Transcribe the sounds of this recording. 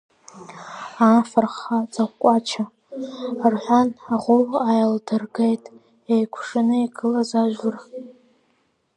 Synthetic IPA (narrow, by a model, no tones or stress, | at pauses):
aːfarχad͡zakʷkʷʼat͡ʃʰa | rħʷanaʁʷʊlajaldɨrɡejtʼ | ejkʷʰʂɨnɨiɡʰʼɨlazaʒᶣʷɨr